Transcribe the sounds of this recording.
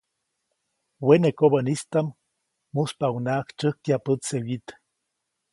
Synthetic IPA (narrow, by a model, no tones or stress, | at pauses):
wenekoβənist̪amː | uspaunaʔkt͡ʃəhkjapəsewit̪